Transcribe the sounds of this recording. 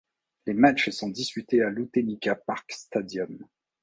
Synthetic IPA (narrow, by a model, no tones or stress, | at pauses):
lemat͡ʃsɔ̃d̪ispyt̪ealut̪enikʲapaʁkst̪ad̪jɔm